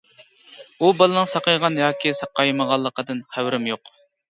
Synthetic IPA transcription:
ubɑlˠɨnɨŋsɑqɑjʁɑnjɑːkʲisɑqɑjməʁɑlˠːəqəd̪ɨnχæwɾɪmjoq

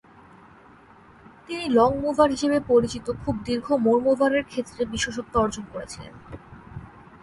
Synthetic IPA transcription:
t̪inilɔŋmuvʱaɾɦiʃebepoɾit͡ɕit̪okʰub̚d̪iɾɡʱomoɾmobʱaɾeɾkʰet̪ːɾebiʃoʃ̬ok̚t̪ɔɾd͡ʑonkoɾet͡ɕʰilḛn

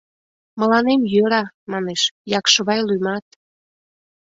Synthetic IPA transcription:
mə̆lɑnemjøɾɑ | mɑneʃjɑkʃəβɑjlujmɑt̪̚

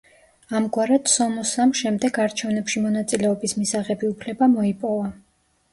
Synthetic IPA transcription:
amɡwaɾad̪sɔmɔsamʃɛmd̪ɛɡaɾt͡ʃʰɛvnɛpʃimɔnat̪sʼilɛɔbismisaʁɛbiupʰlɛbamɔipʼɔva

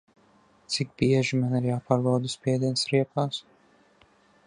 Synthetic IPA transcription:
t̪sik̚biɛʒimaniɾjaːpaːɾbawd̪uspʲiɛd̪iɛnsɾiɛpaːs

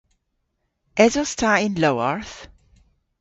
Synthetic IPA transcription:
ʔɛzɔstʰaɪ̃nloʊəɹθ

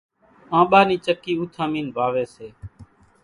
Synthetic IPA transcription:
ãːɓaːniːt͡ʃəkːiːuːt̪ʰaːmiːnʋʱaːʋeːseː

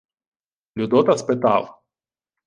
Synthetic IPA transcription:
lʲud̪ɔt̪ɐspɪt̪ɑ̰lˠ

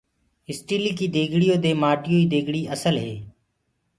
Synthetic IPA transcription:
ɪsʈiːliːkiːd̪eːɡʱɽijoːd̪eːmaːʈɪjoːiːd̪eːɡɽiːʔəsəlɦeː

